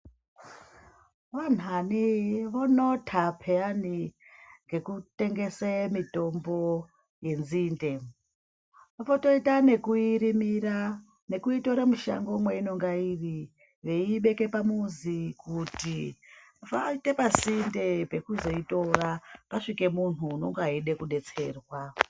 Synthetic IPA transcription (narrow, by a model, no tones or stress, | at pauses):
ʋan̤aniʋonotʰapʰeaniŋɡe̞kute̞ŋɡe̞semito̞mbo̞ | je̞nziːnde̞ | ʋafoto̞itane̞kuiɾimira | ne̞kuito̞ɾamuʃa̰ŋɡo̞mweino̞ŋɡairi | ʋe̞iɓe̞ke̞pamuzikuti | faite̞pazinde̞pe̞kuzo̞ito̞rapaʂike̞mun̤uno̞ŋɡoɦaiɗekuɗe̞t͡se̞ːrwa